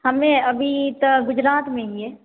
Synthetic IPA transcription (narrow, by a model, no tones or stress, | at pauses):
hɐmẽɐbʱit̪əɡʊd͡ʒɾaːt̪mẽieː